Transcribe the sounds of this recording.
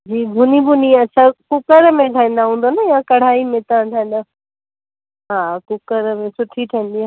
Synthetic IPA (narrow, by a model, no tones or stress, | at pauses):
d͡ʑiːbʱʊnibʱʊniɐtːɕʰakʊkəɾmẽʈʰaːĩːn̆d̪aɦũːn̆d̪onɐjãkɐɽ̤aːimẽt̪ãʈʰaːĩːn̆d̪aː | ɦaːkʊkəɾmẽsʊʈʰiʈʰaĩːnd̪iaː